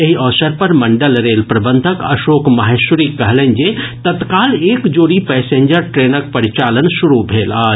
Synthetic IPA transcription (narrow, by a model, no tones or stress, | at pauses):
jeɦiʔɔːsəɾpɐɾmɐɳɖəlɾeːlpɾɐbə̃nd̪ʱəkɐ̰ʃoːkmaɦesʊɾikːɐɦlənd͡ʒet̪ɐt̪kaːleːkd͡ʒoːɽipɛːsẽːɲd͡ʒəɾʈɾeːnək̚pɐɾit͡ʃaːlənsʊɾubʱeːlaːd͡ʒ